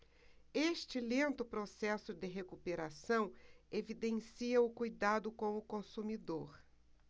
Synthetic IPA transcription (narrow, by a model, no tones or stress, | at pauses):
eʃt͡ʃɪlẽnt̪ʊpɾosɛsʊd̪ɪɦekupeɾasɐ̃w̃evid̪ẽsiɐʊkujd̪ad̪ʊkõw̃ʊkõsumid̪oɾ